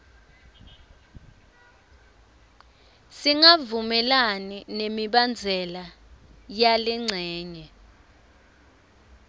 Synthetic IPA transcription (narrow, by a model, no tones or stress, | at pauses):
siŋavumɛlaninemiɓand͡zʱɛlajaliŋ͡ǀʱɛːɲɛ